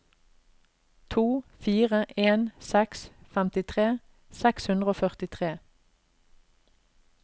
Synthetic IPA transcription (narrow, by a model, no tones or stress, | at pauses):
t̪ʰuːfiːʁəʔeːnsɛksfɛmt̪ɪt̪ʰʁeː | sɛkshʉnd̪ʁəoːfœʁt̪ɪt̪ʰʁeː